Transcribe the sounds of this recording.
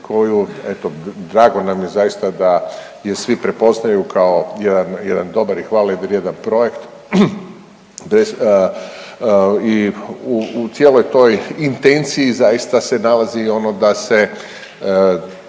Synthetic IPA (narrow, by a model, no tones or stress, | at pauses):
kʰo̞juet̪od̪ɾaːɡo̞namjezajist̪ad̪a | je̞sʋipɾepo̞znajukʰao̞jed̪anjed̪and̪o̞baɾixʋaːlajid̪eɾje̞d̪anpɾo̞je̞kt̪ | bɾes | iut̪sjelo̞jt̪o̞jint̪e̞nt̪siizajist̪ase̞nalazio̞nod̪ase